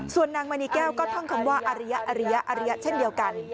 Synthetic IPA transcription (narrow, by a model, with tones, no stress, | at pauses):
su˨˩ənːaː˧ŋmaː˧niː˧˥kɛː˥˩wkɔː˥˩t̪ʰɔ˥˩ŋkʰa˧˦mwaː˥˩ʔa˧ɾa˦˥ja˦˥ʔaː˧ɾa˦˧˥ja˦˥ʔa˧ɾa˦ja˦˥t͡ɕʰe˥˩ndi˧əwka˧n